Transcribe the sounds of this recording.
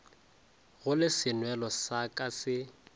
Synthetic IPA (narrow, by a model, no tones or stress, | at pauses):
ɣʊlɪsɪnwɛlɔsakʼasɪ